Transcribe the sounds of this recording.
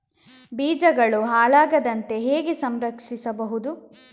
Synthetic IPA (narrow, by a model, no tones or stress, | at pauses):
biːd͡ʒɐɡɐɭuɦaːɭaːɡɐd̪ɐnt̪e̞ɦeːɡesɐmɾɐkʂisɐbɐɦud̪u